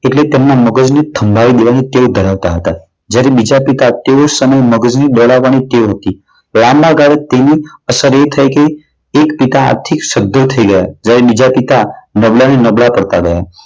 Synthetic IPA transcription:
eʈlet̪emnaməɡəd͡ʒnet̪ʰəmbʱaʋid̪eʋañit̪eod̪ʱəɾaʋt̪aɦət̪a | d͡ʒjaɾebid͡ʒapit̪at̪eosəməjməɡəd͡ʒniɗ̪ɔɭaʋːañit̪eoɦət̪i | lambʱaɡaɭet̪eniəsəɾet̪ʰəjkeː | kpit̪a̰ːɾt̪ʰikʃəd̪ʱːot̪ʰəiɡəjad͡ʒjaɾebid͡ʒapit̪anəbɭanenəbɭapəɽt̪aɡəja

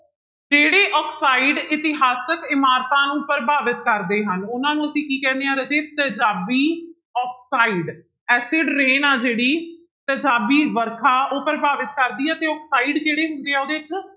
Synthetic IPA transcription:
d͡ʒeːɽeːʔɔːkʰsaːiɖɪt̪ɪɦaːsəkɪmaːɾt̪ãːnũːpəɾəbʱaːʋɪt̪̚kəɾd̪eːɦənʊnãːnũːəsĩːkiːkɛ̃ːnd̪ejãːɾəd͡ʒeːt̪əd͡ʒaːbiː | ɔːkʰsaːiːɖ | ɛːsɪɖɾeːnaːd͡ʒeːɽiː | t̪əd͡ʒaːbiːʋəɾkʰaːoːpəɾəbʱaːʋɪt̪̚kəɾd̪iːɛːt̪eːɔːksaːiɖkeːɽeːɦʊnd̪eːaːoːd̪eːɪt͡ʃ

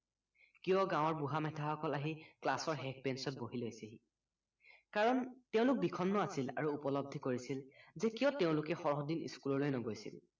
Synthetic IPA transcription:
kijɔɡãw̃ɔɹbuɦamɛtʰaxɔkɔlaɦiklasɔɹɦɛk̚pɛnsɔt̚boɦilojseɦi | kaɹɔnteʊ̃lʊk̚bikʰɔnːɔasila̰ɹuːpɔlɔb̚d̪ʱikoɹisilzekijɔteʊ̃lʊkɛxɔɹɔɦɔdinḭskulɔlojnɔɡojsḭl

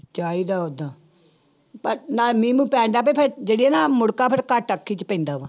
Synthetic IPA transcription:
t͡ʃaːiːd̪aːod̪aː | pəɾnaːmĩːmũːpɛ̃ːɳd̪aːp̬eːpʰeɾd͡ʒeːɽiːɛːnaːmʊɽkaːpʰɪɾkaʈəkʰːiːt͡ʃpɛ̃ːnd̪aːʋaː

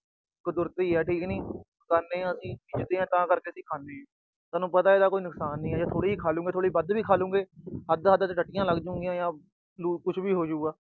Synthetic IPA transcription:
kəd̪ʊɾt̪iːɦɛːʈʰiːknĩː | kəɾneːãːəsĩːpiːd͡ʒd̪eːãːt̪ãːkəɾkeːəsĩːkʰaːneːɛ̃ː | t̪aːnũːpət̪aːeːd̪aːkoːiːnʊksaːnːĩːɛːd͡ʒaːt̪ʰoːɽiːiːkʰaːlũːɡeːt̪ʰoːɽiːbəd̪ʋiːkʰaːlũːɡeːɦəd̪ɦəd̪t̪ʈəʈːɪjãːləɡd͡ʒəʊ̃ŋɡɪjãːjãː | luːkʊt͡ʃʰbiːɦoːd͡ʒuːɡaː

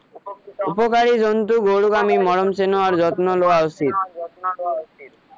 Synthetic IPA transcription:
upokaɾid͡ʑont̪uɡoɽukamimɔɽomsenoaɾd͡ʑɔt̪noloaosit̪̚

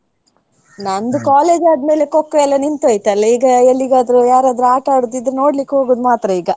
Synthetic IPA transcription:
nɐnd̪ukaːle̞ːd͡ʒaːd̪me̞ːle̞kokːɐɛlːɐnint̪uɐjt̪ɐlːɐiːɡɐelːiɡaːd̪ɾujaːɾaːd̪ɾuaːʈaːɽut̪ːid̪ɾeno̞ːɽlikːɦoːɡuːd̪maːt̪ɾɐiːɡɐ

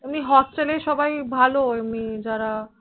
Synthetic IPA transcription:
emniɦɔsʈeleʃɔbajbʱaloemnid͡ʑaɾa

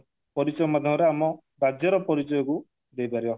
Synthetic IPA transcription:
pɔɾisɔjɔmad̪ʱjɔɾeamɔ | ɾad͡ʒjɔɾɔpɔɾisɔjɔku | d̪ejpaɾibɔ

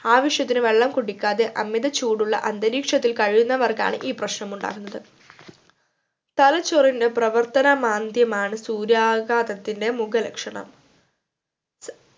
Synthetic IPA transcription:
aːʋiʂjɐt̪ːinɨʋe̞ɭːɐmkuɽikʲːaːðeʔɐmjɐðɐt͡ɕːuːɽuɭːɐ̰ʔɐnd̪ɐɾiːkʂɐt̪ːilkɐɻijunːɐʋɐrka̰ːɳɨʔiːprɐɕnɐmuɳɖa̰ːkunːɐðɨ | t̪ɐlɐt͡ɕːorinde̞prɐʋɐrt̪ɐnɐmaːnd̪jɐmaːɳɨsuːɾjaːɡaːðɐt̪ːinde̞muɡɐlɐkʂɐɳɐ̰m

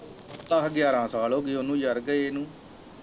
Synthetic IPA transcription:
t̪ãːɦəɡjaːɾãːsaːloːɡioːnũːd͡ʒəɾɡəenũː

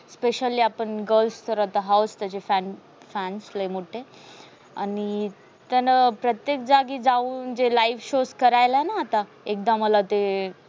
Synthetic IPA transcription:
speɕəliːapəɳɡəlfst̪əɾat̪aɦawst̪at͡ɕefæn | fænslejm̤oʈːe | ani | t̪anapɾət̪jek̚d͡zaɡid͡zauːnd͡ʑelaiʋɕoskəɾajlaenaːt̪a | ek̚d̪aməlat̪e

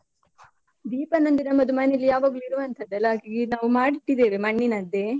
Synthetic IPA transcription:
d̪iːpɐnɐnd̪inɐmːɐd̪umɐnelːijaːʋaːɡɐɭuiɾuʋɐnt̪ʰɐd̪ːɐlːaːkiɡinaːʋumaːɽiʈːid̪eːʋemɐɳːinɐd̪e

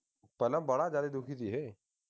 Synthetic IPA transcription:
pɐləmbɐɽad͡ʒaːd̪ed̪ũːkʰit̪iɦɛː

